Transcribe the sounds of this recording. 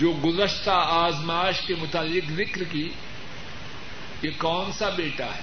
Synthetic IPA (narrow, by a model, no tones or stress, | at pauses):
d͡ʒoːɡʊzəʃt̪aaːzmaːʃkemʊt̪alːɪkzɪkɾki | jekɔːnsabeːʈa̰ɦɛ